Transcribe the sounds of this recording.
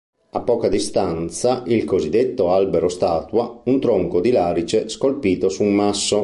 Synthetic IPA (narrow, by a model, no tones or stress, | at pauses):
apːɔːkad̪ist̪ant̪saʔilkozid̪ːet̪ːoalbeɾost̪aːt̪waunt̪ɾoŋkod̪ilaːɾit͡ʃeskolpiːt̪osumasːo